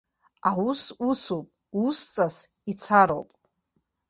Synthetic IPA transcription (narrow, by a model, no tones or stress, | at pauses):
aususupʼ | ust͡sʼas | it͡sʰaɾopʼ